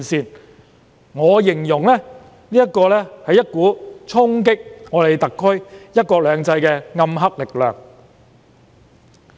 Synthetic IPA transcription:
siː˨n | ŋɔː˨˧jɪ˨˩ŋjʊ˨˩ŋlɛː˥ | liː˥jɐ˥t̚kːɔː˧lɛː˥hɐ˨jɐ˥t̚kuː˨˥t͡sʰʊ˥ŋkɪ˥k̚ŋɔː˨˧le˨˧jt̪ɐ˨kʰːɵ˥ɥjɐ˥t̚kɔː˧lœː˨˧ŋt͡sɐ˧jkɛː˧ŋɐ˧mɦɐ˥k̚lɪ˨k̚lœː˨ŋ

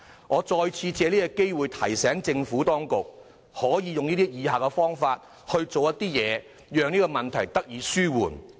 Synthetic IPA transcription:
ŋɔː˨˧t͡sɔː˧jt͡sʰiː˧t͡sɛː˨˧liː˥ɐ˧ke˥jwuː˨jt̪ʰɐ˨˩jsɛː˨˥ŋt͡sɪ˧ŋfuː˨˥t̪ɔː˥ŋkʊ˨k̚ | hɔː˨˥jiː˨˧jʊ˨ŋniː˥t̪iː˥jiː˨˧ɦaː˨˩kɛ˧fɔː˥ŋfaː˧t̚ | hɵ˧ɥt͡so˨wjɐ˥t̪iː˥jɛː˨˧ | jœː˨˧ŋniː˥kɔ˧mɐ˨nt̪ʰɐ˨˩jt̪ɐ˥k̚jiː˨˧syː˥wuː˨˩n

